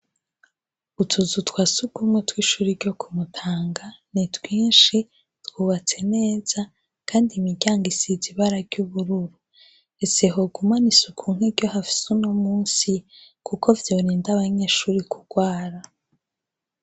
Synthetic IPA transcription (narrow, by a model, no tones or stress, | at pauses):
utʰuzutwaːsuɡumwetwiːʃuːɾiɾɟo̞kʰumutʰaːŋɡanitwiːnʃi | twuːβat͡se̞ne̞ːz̥a | kʰaːndimiɡɟaːŋɡisiziβaɾaɾɟuβuɾuɾu | ese̞ɦoɡumanisukʰuːŋ̥eɾɟo̞hafi̥suno̞muːnsi | kuko̞vjo̞ːɾiːndaβaɲe̞ːʃuːɾikuɡ̥waːɾa